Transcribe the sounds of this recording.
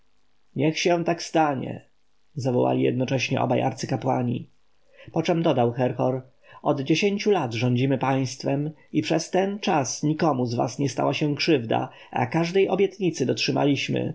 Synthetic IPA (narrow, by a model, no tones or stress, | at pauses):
ɲɛxɕɛ̃t̪akst̪aɲɛ̰ | zavɔ̰wa̰lʲijɛ̰d̪nɔt͡ʂɛɕɲɛ̰ʔɔ̰bajʔaɾt̪sɘkapwaɲḭ | pɔt͡ʂɛmd̪ɔd̪awxɛɾxɔɾ | ɔd̪d͡ʑeɕeɲt͡ɕulad̪ʐɔɲd͡ʑimɘpaj̃st̪fɛmipʂɛst̪ɛnt͡ʂasɲikɔmuzva̰sɲɛst̪a̰waɕɛ̃kʂɘvd̪a̰ | a̰kaʐd̪ɛjɔbʲjɛt̪ɲit̪sɘd̪ɔtʂɘma̰lʲiɕmɘ̰